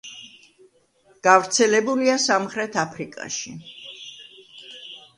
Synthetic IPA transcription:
ɡ̥avɾt̪sʰɛlɛbuliasamχɾɛt̪ʰapʰɾikʼa̰ʃi

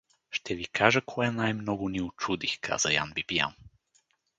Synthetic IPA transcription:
ʃt̪ʰɛvikʰaʒəkʰɔɛnajmnɔɡʊniʊt͡ʃud̪ixkʰa̰z̥əja̰nbipija̰n

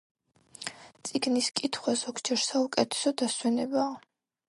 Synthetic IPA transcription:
t̪sʼiɡniskʼit̪ʰχwazɔɡd͡ʒɛɾsaukʼɛt̪ʰɛ̥sɔd̪aswɛnɛbaː

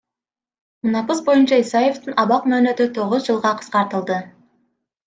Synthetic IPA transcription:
munɑpɯsbo̞junt͡ʃɑisɑje̞ft̪ɨnɑβɑqmøːnø̞t̪yt̪ʰo̞ʁʊzd͡ʒɨlˠʁɑqʰə̥sqɑɾt̪əlˠd̪ə

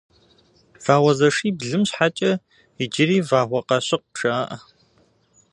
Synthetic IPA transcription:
v̥aːwɐzɐʂiːbɮɨmɕħat͡ʃʼɐ | ɪd͡ʒɪɾiːvaːʁʷɔqɐɕɪq̚ʈ͡ʂʰɐːʔ

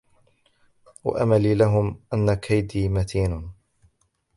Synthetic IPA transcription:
wa̰ʔamaliːlaɦʊmʔanːakʰajd̪iːmat̪ʰiːnʊ

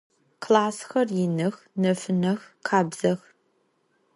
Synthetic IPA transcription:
kʰlaːsxɐrjɪnɨx | nɐfɨnɐxqʰaːbz̥ɐx

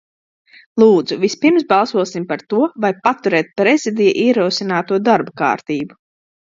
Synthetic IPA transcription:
lˠuːd̪zuvispiɾmsbalˠsuɔsimpaɾt̪uɔvajpat̪uɾɛːt̪̚pɾezid̪ijaʔiɛɾuːsinaːt̪uɔd̪aɾbka̰ːɾt̪iːbu

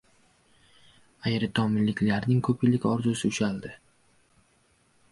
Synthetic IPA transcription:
ajɾɪt̪ʰɒmɪnlːɪkʲlaɾnɪŋkʰɵpʰɪlɪkʲɒɾzʊsɪʊʃald̪ɪ

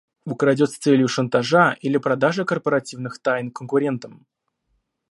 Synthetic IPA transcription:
ukɾɐdʲot̪sʲt̪sɛlʲjʊʂənt̪aʐaʔilʲɪpɾɐd̪aʐɨkərpəɾɐtʲivnɨxt̪ajnkənkʊɾʲe̞nt̪əm

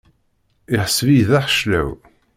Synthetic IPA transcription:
ɪħəsvijðæħʃlæ̰w

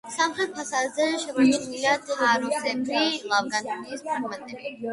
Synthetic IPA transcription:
samχɾɛt̪̚pʰasaːd̪zɛʃɛmaniwilad̪̥aɾɔsɛmɾilˠavɡanɔniːspʰɔɡmɛnt̪ʼɛbi

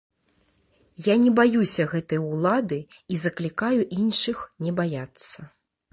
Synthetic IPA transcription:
janʲɛbajusʲɐɣɛt̪ɐjwlˠad̪ɨ | izɐklʲikajuʔinʂɨxnʲɛbajat̪sːɐ

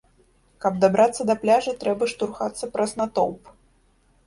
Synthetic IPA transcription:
kɐb̚d̪abɾʔat̪sːɐd̪ɐplʲaʐɐt̪ɾɛbɐʂt̪urxat̪sːɐpɾʔɐsnat̪ɔ̰wp

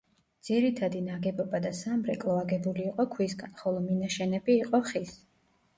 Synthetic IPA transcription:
d̪z̥iɾit̪ʰad̪inaɡɛbɔbad̪asamɾɛkʼlˠɔaɡɛbuliːqʼɔkʰwisɡanχɔlˠɔminaʃɛnɛbiːqʼɔχis

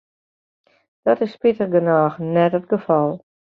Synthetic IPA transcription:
d̥ɔtɪsːpɪtərɡənaːxənɛtətɡəfɔlˠ

